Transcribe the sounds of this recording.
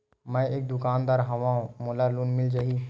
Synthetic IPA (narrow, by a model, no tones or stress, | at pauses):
mɛ̃eːk̚d̪ʊkaːnd̪aːɾɦɐʋãːũmʊlaluːnmɪld͡ʒaɦi